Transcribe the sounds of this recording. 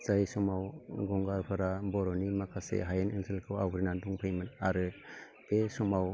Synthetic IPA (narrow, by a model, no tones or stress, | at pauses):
z̥ajsɔmawɡɔŋɡaɾpʰɯɾabɔɾɔnimakʰasḛɦajenenselkʰɯwawkʰɾinaduŋpʰɯjmɯnaɾɯ | besɔmaw